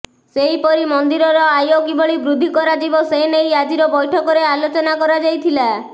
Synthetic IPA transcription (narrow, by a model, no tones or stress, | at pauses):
seipɔɾimɔnd̪iɾɔɾɔajokiboɭibɾud̪ʱːikɔɾad͡ʒibɔseenejad͡ʒiɾɔbɔjʈʰɔkɔɾealot͡ʃɔnakɔɾad͡ʒajt̪ʰila